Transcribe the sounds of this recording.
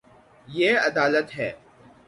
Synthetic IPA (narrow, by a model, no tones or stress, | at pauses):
jeːɐd̪aːlət̪ɦɛː